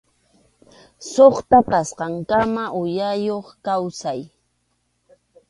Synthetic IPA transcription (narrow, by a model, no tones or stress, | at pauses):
soχt̪apasqɑŋkamaʔʊjajoχkawsaj